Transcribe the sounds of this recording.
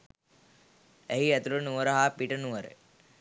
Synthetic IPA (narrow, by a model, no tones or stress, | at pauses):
æɦiæt̪ulənuʋəɾəɦaːpiʈənuʋəɾə̰